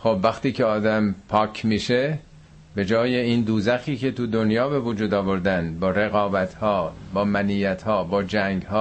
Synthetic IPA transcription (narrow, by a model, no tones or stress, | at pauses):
xobvæxt̪iːceɒːd̪æmpʰɒːcʰmiːʃe | be̞d͡ʒɒːjeiːnd̪uːzæxiːcʰe̞t̪ud̪onjɒːbe̞vud͡ʒuːd̪ɒːvo̞ɾd̪ænbɒːɾe̞ɣɒːbæt̪ʰhɒːbɒːmæniːjæt̪hɒːbɒːd͡ʒæŋɡhɒː